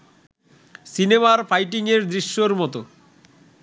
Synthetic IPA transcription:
sinemaɾfajʈiŋeɾd̪ɾiʃːoɾmɔt̪o

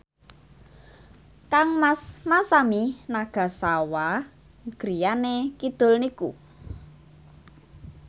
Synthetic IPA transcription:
kaŋmasmasaminaɡ̥a̤sawa | ɡ̥ɾijanekid̪̥o̤lnikṵ

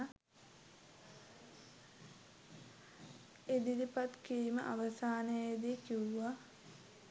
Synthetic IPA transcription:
ed̪id̪ipat̪kiɾimə̰ʔaʋəsaːnəjed̪ikiuʋa

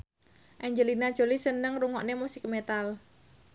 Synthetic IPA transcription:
ʔɛɲd͡ʒəlinad̥ʒ̥o̤lisənəŋruŋɔʔnemusik̚met̪al

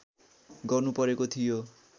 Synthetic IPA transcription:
ɡʌrnupʌɾekot̪ʰijo

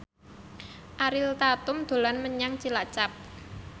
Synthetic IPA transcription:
ʔaɾɪlt̪at̪ʊmd̪̥o̤lanməɲaŋt͡ʃilat͡ʃap̚

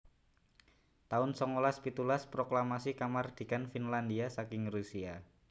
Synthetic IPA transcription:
t̪aʊnsɔŋolaspit̪ulaspɾoklamasikamard̪̥i̤kanfinlandiasakɪŋrusia

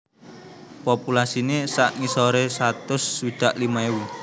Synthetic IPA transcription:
populasinesaʔŋisoɾesat̪ʊsːwid̪̥a̤ʔlimaewi

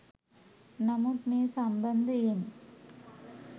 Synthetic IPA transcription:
nɐmɐkmeːsɐmbɐnd̪ɯɪn

